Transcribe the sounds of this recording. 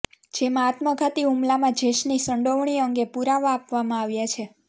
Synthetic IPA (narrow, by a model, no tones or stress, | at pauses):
d͡ʒemãːt̪məɡʱat̪iumlamãd͡ʒeʃnisəɳɖoʋɳ̃iəŋɡepuɾaʋaːpʋamãaʋjat͡ʃʰe